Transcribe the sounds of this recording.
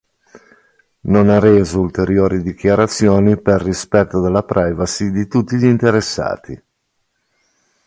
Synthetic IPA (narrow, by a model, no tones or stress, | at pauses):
nonareːzoult̪eɾjoːɾid̪ik̟jaɾat̪sːjoːniperːispɛt̪ːod̪elːapɾajvasid̪it̪ut̪ːiʎint̪eɾesːa̰ːt̪i